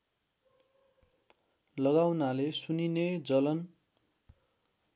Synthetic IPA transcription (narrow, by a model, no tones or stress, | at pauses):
lʌɡawnalesunined͡zʌlʌn